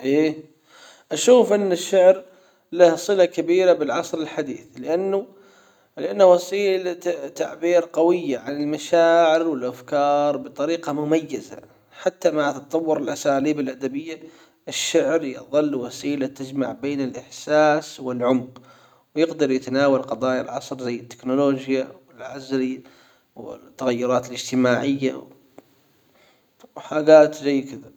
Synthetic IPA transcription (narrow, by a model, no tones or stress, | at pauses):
ʔeː | ʔaʃuːfʔɪnːɪʃːʊʕɾ | lahsˤɨlakabiːɾabɪlʕɑsˤɾɪlħad̪ḭːθlɪʔanːʊ | lɪʔanːwasiːlat̪aʕbiːɾqɑwɪjːaʕanɪlmaʃaːʕɪɾwɪlʔafkɑːɾˤbɨt̪ˤɑɾiːqɑmʊmajːaza̰ | ħat̪ːamaʕt̪ɑt̪ˤɑwːʊɾɪlʔasaːliːbɪlʔad̪abɪjːa | ʔɪʃːaʕɾjɨ̰ðˤɨlːwasiːlat̪ad͡ʒma̰ʕbeːnɪlʔɪħsaːswɪlʕʊmq | wjɪɡd̪ɑɾˤjɪt̪anaːwalqɑd̪ˤɑːja̰lʕɑsˤɾzajːɪt̪ːɪ̥knʊloːd͡ʒjawɪlʕazɾi | wɪ̰t̪ːaɣajːʊɾˤɑːt̪ɪlɪd͡ʒt̪ɪmaːʕɪjːa̰ | wħaːɡaːt̪zajːkɪd̪a